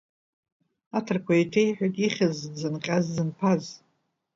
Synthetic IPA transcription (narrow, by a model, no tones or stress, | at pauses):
atʰɨrkʷʰaitʰejħʷᶣatʼiχʲazd͡zɨnqʲʼazzɨnpʰaz